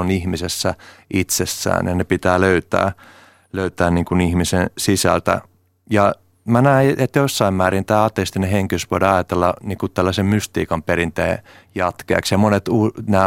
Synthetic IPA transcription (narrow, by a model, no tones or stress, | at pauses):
onihmisesːæit̪sesːæ̰ːnjɑnepit̪æːløyt̪æ̰ː | løyt̪æːnniːŋkunihmisensisæ̰lt̪æ̰ | jɑ | mænæiet̪josːɑimmæːrint̪æːɑt̪est̪ineheŋkisʋoidɑɑjɑt̪elːɑniːŋkut̪ælːæsemmyst̪ḭːkɑmpeɾint̪eː | jɑt̪keæ̰ksjɑmonet̪unæː